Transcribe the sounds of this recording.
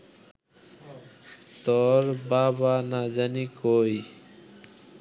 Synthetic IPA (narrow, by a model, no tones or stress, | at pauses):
t̪ɔɾbabanad͡ʑanikoj